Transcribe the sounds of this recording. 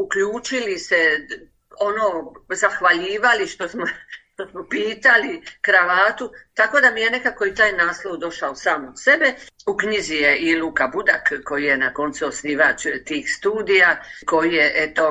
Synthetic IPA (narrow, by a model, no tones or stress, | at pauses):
ukʎuːt͡ʃilise̞ | o̞noːzaxʋaʎiːʋaliʃt̪o̞smoʃt̪o̞smopiːt̪alikɾaʋaːt̪ut̪ako̞d̪amijene̞kako̞it̪aːjnaːslˠo̞wd̪o̞ʃaosaːmot̪sebe̞ukɲizijeʔiluːkabud̪a̰kko̞jije̞nako̞nt̪suosniːʋat͡ʃt̪iːxst̪uːd̪ijako̞jijeʔet̪o̞